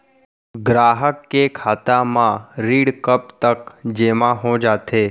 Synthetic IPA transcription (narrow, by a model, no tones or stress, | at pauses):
ɡɾaːɦəkːekʰaːt̪amãɾiːɽkəp̚t̪əkd͡ʒemãɦõd͡ʒaːt̪ʰe